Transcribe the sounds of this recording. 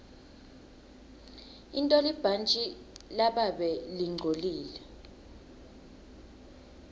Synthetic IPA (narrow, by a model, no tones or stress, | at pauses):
intʼolib̥ʱant͡ʃʼi | laɓaɓɛliŋ͡ǀʱoliːlɛ